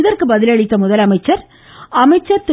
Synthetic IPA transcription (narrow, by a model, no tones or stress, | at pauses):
ðɐrkɯbɐðɪlɐɻɪt̪ːɐmʊðɐlɐmɐɪt͡ʃːɐɾ | ɐmɐɪt͡ʃːɐɾt̪ɪ